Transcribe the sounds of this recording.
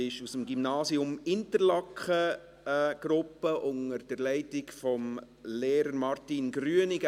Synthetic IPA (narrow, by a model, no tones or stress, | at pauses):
ɪʃusəmɡimnɑːsiʊmɪntəɾlɑkχə | ɡ̥ɾʊpːəʔʊŋəɾd̥əɾlɛɪtɪkfɔm | leːɾəɾmɑɾtinɡɾyənɪɡə